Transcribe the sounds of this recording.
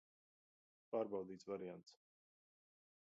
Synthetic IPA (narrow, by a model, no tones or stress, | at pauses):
paːɾbawd̪iːsvaɾiant̪s